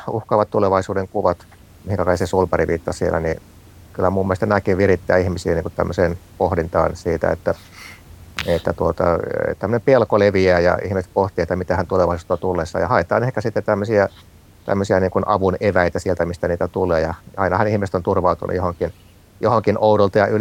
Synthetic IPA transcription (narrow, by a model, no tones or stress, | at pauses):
uhkɑːʋɑt̪t̪uleʋɑisuːdeŋkuʋɑt̪ | mihiŋkækɑiksesulpɑriʋiːt̪ːɑsiḛlːæ̰ni | kylːæmumːilst̪ɑnækiʋʋirit̪ːæːihmisiːniːŋkut̪t̪æ̰mːøseːnpohdint̪ɑ̰ːnsiːt̪æ̰ḛt̪ːæ | et̪ːæt̪uot̪ɑ̰t̪æmːønempelkoleʋiæːjɑ̰ḭhmiset̪̚poht̪ˑiet̪ːæmit̪æhænt̪uleʋɑisu̥t̪ːɑt̪ulːesːɑ̰ːjɑhɑet̪ɑ̰ːnehkæsit̪ːett̪æmːøsiæ | t̪æ̰mːøsiæniːŋkunʔɑʋuneʋæit̪æsielt̪æmist̪æniːt̪æt̪ulˑeːjɑɑinɑhɑnihmisĕ̥t̪ont̪urʋɑut̪unʔṵjohoŋkin | johoŋkinoudolt̪ɑjɑʔyl